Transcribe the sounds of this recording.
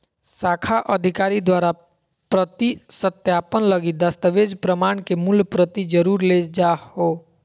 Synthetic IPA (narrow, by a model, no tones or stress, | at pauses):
saːkʰaʔəd̪ʱɪkaːɾid̪waːɾa | pɾət̪isət̪jaːpənləɡid̪əst̪əʋeːd͡ʒpɾəmaːɳ̃kemʊlpɾət̪id͡ʒəɾuːɾled͡ʒaːhoː